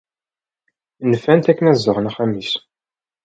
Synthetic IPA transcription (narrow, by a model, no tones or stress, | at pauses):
nəfænt̪ækːənæzːəʁnæχæmis